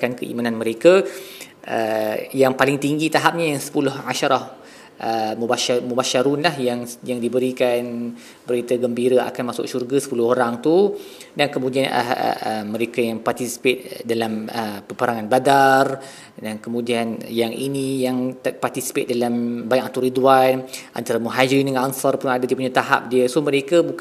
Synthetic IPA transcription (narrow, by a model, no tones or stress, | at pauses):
kankəʔḭmananməɾeka | ʔəjaŋpalɪŋt̪iŋɡit̪aɦap̚ɲajaŋsə̥pulʊhaʃaɾɔh | ʔəmubaʃamubaʃaɾunlahjaŋjaŋdibəɾikan | bəɾit̪aɡəmbiɾaa̰kanmasʊ̰k̚ʃurɡasə̥pulʊhoɾaŋt̪u | dankəmũdiana̰əːəɾekajaŋpart̪isi̥pet̪̚dalaməpəpəɾaŋanbadar | dankəmũdianjaŋḭnijaŋt̪part̪isi̥pet̪̚dalambajaʔat̪uɾiduwanʔa̰nt̪aɾamuɦad͡ʒɾinəŋnansɔrpunadadipuɲat̪aɦa̰p̚diəsohməɾekəbuk